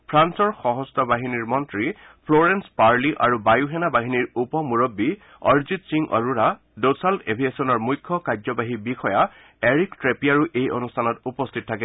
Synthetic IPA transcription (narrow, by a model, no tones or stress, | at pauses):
pʰɹansɔɹxɔɦɔstɔbaɦiniɹmɔntɹi | pʰlɔɹɛnspaɹliʔa̰ɹubajuɦɛnabaɦiniɹupɔmuɹɔbːi | ɔ̰ɹzit̚siŋʔɔ̰ɹuɹa | dosaltebʱiesɔnɔɹmujkʰːɔkazɔbaɦibixɔja | eɹiktɹepiaɹuʔejʔɔ̰nustʰanɔtupɔstʰit̚tʰːakɛ